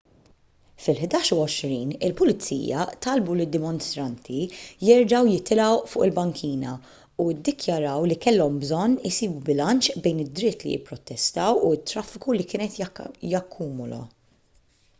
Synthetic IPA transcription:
fɪlħd̪ɐːʃuɔʃɾiːnɪlpʊlɪt͡sːḭːjɐ̰t̪ɐlbulɪd̪ːɪmɔnst̪ɾɐnt̪ʰijɛɾd͡ʒɐwjɪt̪ɪlɐwfʊ̰ːʔɪlbɐŋkʰiːnɐ | ud̪ːɪkjɐɾɐwlikɛlːɔmbzɔnːɪsiːbubɪlɐnt͡ʃbɛjnɪd̪ɾɪt̪ːlḭjɪ̰pːɾɔt̪ːɛst̪ɐwuɪt̪ːɾɐfːɪkulikɪːnɛt̪jɐkʰːuːmʊlɐ̰

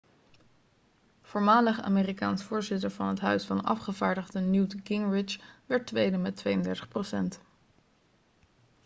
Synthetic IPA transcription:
v̥ʊːɹmaːləχa̰ːmeːrikaːnsfʊːɹzɪtəɹvɑnɦətɦœɥsfɑnɑ̰fχəvaːɹdəχdənjutkɪŋɹɪt͡ʃʋɛɹtʋejdəmɛtʋejəndɛɹtə̥χprosɛnt

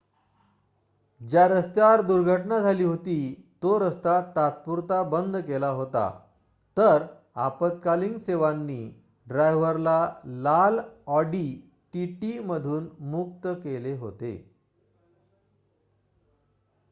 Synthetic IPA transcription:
d͡ʑjaɾəst̪jaɾd̪uɾɡʱəʈnad͡zʱaliːɦot̪iːt̪oɾəst̪at̪at̪̚puɾt̪abənd̪kelaɦot̪a̰ | t̪əɾ | a̰pət̪̚kaliŋɡseʋanːiː | ɖɾajʋəɾlalalɔɖi | ʈiʈiməd̪ʱuːnmuk̚t̪əkeleɦot̪ḛ

